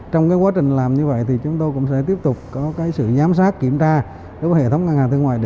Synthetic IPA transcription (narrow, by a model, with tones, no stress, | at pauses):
t͡ɕɔ˧wŋ͡mkaː˨˦jkwaː˨˦˥t͡ɕï˨˩ŋ̟laː˨˩mɲɨ˧və̰˧˨jt̪ʰi˨˩t͡ɕʊ˨˦ŋ͡mt̪o˧jkʊ̰˧˥ŋ͡msɛ̰˧˥t̪i˦˥əp̚t̪ʊ˨˩k͡p̚kɔ˨˦kaː˨˦jsɨ̰˧˨zaː˨˦msaː˦˥t̚ki˧˩əmt͡ɕaː˧ | ɗo˨˦jvə˨˦hḛ˧˨˩t̪ʰə˨˦wŋ͡mŋa˧ŋhaː˨˩t̪ʰɨ˧əŋwaː˧˨jɗ